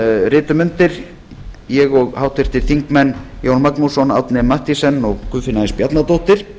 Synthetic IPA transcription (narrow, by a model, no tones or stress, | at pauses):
rɪːt̪ʏmʏnt̪ɪɾ | jɛɣɔɣhawht̪ɪɾ̥t̪ɪɾ̥θiŋkmɛnːjownmaknusɔna̰wt̪nɪmaht̪isɛnːɔɣkʏðfɪnaɪnspjat̪nat̪owht̪ɪɾ̥